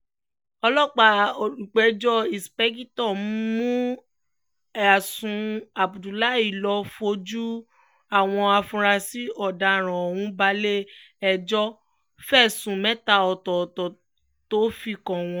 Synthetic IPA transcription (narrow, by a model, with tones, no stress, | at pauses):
ɔ˧lɔ˦˨k͡pa˨k͡pɛ˨˧d͡ʒɔ˦i˨spɛ˦ɡi˦tɔ˦˨m̩˦mũ˦ | a˨sũ˧a˨bu˨du˨la˦i˦˨lɔ˧fo˧d͡ʒu˦ | a˦˨w̃ɔ̃˧a˧fũ˧ɾa˧si˦ɔ˦˨da˨ɾ̃ã˨o˨wũ˨˦ba˧˦le˦ | ɛ˧d͡ʒɔ˦ | fɛ˦˨sũ˨mɛ˦ta˧˨ɔ˨tɔ˨tɔ˨ | to˦fi˦˨kɔ̃˨w̃ɔ̃˧